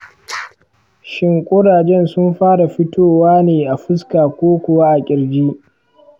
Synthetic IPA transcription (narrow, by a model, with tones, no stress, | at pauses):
ʃɪ˦ŋkʷʼʊ˦ɽaː˨d͡ʒɛ˦nsʊ˦mɸaː˦ɽa˨ɸɪ˦tʰoː˦waː˦neː˨ʔa˨ɸɪ˦skaː˨kʷoː˦kʷʊ˨wa˦ʔa˨kʲʼɪ˨ɾd͡ʒiː˦